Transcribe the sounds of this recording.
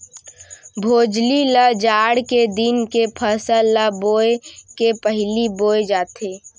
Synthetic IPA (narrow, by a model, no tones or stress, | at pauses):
bʱoːd͡ʒliləd͡ʒaːɽked̪ɪnkepʰəsəlaboːekepəɦliboːed͡ʒaːt̪eː